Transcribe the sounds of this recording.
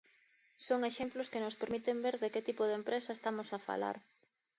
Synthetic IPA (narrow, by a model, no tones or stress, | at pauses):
soŋeʃemplʊskɪnospeɾmit̪embeɾðeket̪ipʊðempɾesɐest̪amosafa̰la̰ɾ